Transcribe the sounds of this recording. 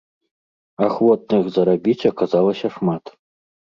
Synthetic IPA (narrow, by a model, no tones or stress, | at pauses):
axvɔt̪̚nɨxzɐɾabʲit͡sʲakazɑlˠɐsʲɐʂmat̪